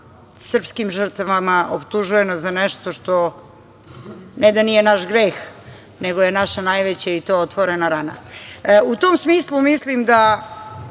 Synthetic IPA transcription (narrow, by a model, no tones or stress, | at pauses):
sr̩pskimʒər̩t̪aʋamaʔopt̪uʒuje̞nozanɛʃt̪oʃt̪o̞ | ned̪anije̞naʃɡɾex | ne̞ɡo̞je̞naʃanajʋet͡ɕait̪oːot̪ʋoɾenaɾana̰ut̪oːmsmiːslˠumislimd̪a